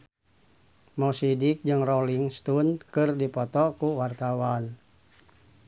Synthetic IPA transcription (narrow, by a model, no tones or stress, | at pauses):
mɔsidik̚d͡ʒɨŋrɔliŋst̪unkɨrdipɔt̪ɔkuwart̪awan